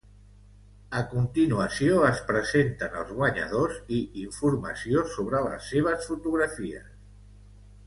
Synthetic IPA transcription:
əkunt̪inuəsioəspɾəzent̪ənə̰lˠzɣwaɲa̰ð̞oziiɱfuɾma̰siosoβɾələ̰sːeβ̞əsfut̪uɣɾafiə̰s

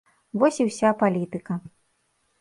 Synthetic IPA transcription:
vɔsʲiwsʲapalʲit̪ɨkɐ

